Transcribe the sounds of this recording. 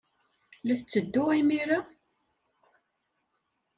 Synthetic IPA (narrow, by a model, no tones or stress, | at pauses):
læθət͡sːəd̪ːʊimiɾa